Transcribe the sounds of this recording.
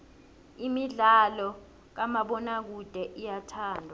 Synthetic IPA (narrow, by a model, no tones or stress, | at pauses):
imiɮalɔ | k̬amaɓɔnak̬ud̥ʱɛʔijatʰaːndʱa